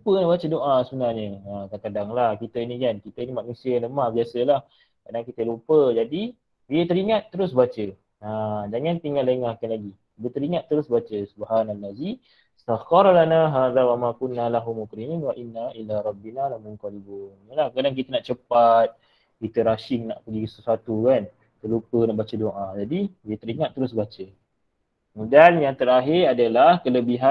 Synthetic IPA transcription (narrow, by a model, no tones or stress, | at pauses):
lupənaʔbat͡ʃədoʔasunahɲəakakadaŋlahkit̪əinikankit̪əinimaʔnusiələmahbiasəlah | kadaŋkit̪əlupəd͡ʒadi | biət̪əɾiŋat̪ːəɾʊsbat͡ʃə | ad͡ʒaŋant̪iŋalaiŋakanlaɡi | biət̪əɾiŋat̪ːəɾʊsbat͡ʃəsubhanalazi | st̪axɔɾˤlanaɦaːðawamakunːalaɦumukɾininwaʔinːaʔilaɾˤɑbːinalamunkalibunjəlahkadaŋk̬it̪ənaʔt͡ʃəpat̪̚ | kit̪əɾaʃɪŋnaʔpəɡisəsuat̪ukan | t̪əlupənaʔbat͡ʃədoʔad͡ʒadidiət̪əɾiŋat̪ːəɾʊs̬bat͡ʃə | mudaljaŋt̪əɾaɦɪɾadəlahkələbiɦa